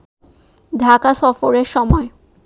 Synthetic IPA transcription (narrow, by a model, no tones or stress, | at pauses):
dʱakasɔfoɾeɾʃɔmɔe